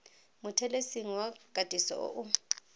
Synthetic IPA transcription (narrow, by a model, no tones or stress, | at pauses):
mʊtʰɛlesiŋ̩waɡ̥ʼʱadʼʱisɔ̰ʔɔ̰ʔʊ